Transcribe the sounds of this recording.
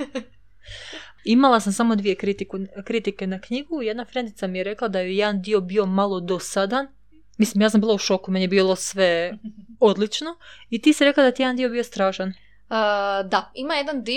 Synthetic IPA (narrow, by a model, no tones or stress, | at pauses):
imalˠasamsamo̞d̪ʋije̞kɾit̪ikukɾit̪ike̞nakɲiɡuje̞d̪nafɾe̞nd̪it̪samijeɾe̞klˠad̪ajejed̪and̪io̞bio̞malˠo̞d̪osad̪an | mislimjaːs̬ambiːlˠauʃo̞kumenijebiːlˠo̞sʋe̞ | od̪lit͡ʃno̞it̪iːsiɾe̞klad̪at̪ijeand̪ijo̞bijo̞st̪ɾaːʃan | d̪aimajed̪and̪i